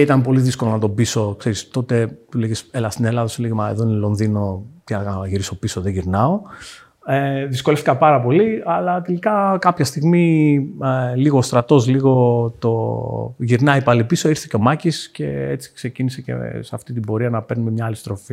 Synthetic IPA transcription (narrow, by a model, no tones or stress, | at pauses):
it̪ɐnpo̞liðisko̞lonɐt̪o̞biso̞kse̞ɾist̪o̞t̪e̞t̪uleʝeselɐst̪inelɐðosuleʝimɐeðo̞inelo̞nðino̞t̪iɐɐʝiɾiso̞piso̞ðeʝiɾnɐo̞ | eðisko̞left̪ikɐpɐɾɐpo̞liɐlɐt̪elikɐkɐpçɐst̪iɣmi | liɣoːst̪ɾɐt̪o̞zliɣo̞t̪o̞ʝiɾnɐipɐlipiso̞iɾθe̥ceo̞mɐcisce̞et͡si̥kse̞cinisece̞̰sɐft̪it̪̬ibo̞ɾiɐnɐpe̞ɾnumemɲɐɐlist̪ɾo̞fi